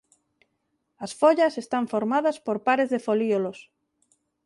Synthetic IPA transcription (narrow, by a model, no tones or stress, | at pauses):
ɐsfoʎɐsest̪aɱfoɾmaðɐspoɾpaɾezðefoliolos